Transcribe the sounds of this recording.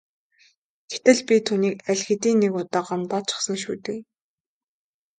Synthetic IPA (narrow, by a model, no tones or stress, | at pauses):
ɡ̥et̪ɘ̆ɮpʲit̪ʰuːniːkæɮʲxɘ̆t̪iːnːekʊt̪aːɢamt̪ɔːt͡ɕʰɪ̥̆χsə̆ŋʃuːt̪ɘ̆k